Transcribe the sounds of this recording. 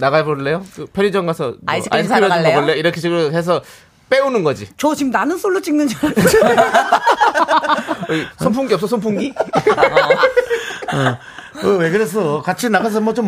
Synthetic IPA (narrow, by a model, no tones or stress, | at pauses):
naɣabʌɭːe̞jokɯpʰjʌɾid͡ʑʌŋɡasʰʌaasʰɯjʌinɡɡʌbʌɭːejoiɾʌkʰet͡ɕʰeɡɯɾoɦes̬ʰʌ | p͈e̞unɯnɡʌd͡ʑit͡ɕʌt͡ɕimnanɯnsʰoɭːot͡ɕ͈iŋnɯnd͡ʑi | ʌisʰompʰuŋɡiʌps͈ʰʌsʰompʰuŋɡi | ʌ | ʌwekɯɾes̬ʰʌkat͡ɕʰinaɡas̬ʰʌmʌt͡ɕom